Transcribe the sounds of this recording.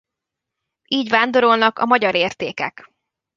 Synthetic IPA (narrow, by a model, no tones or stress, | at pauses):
ʔiːɟʋaːnd̪o̞ɾo̞lnɒkɒ̰mɒɟɒɾeːrt̪eːkɛk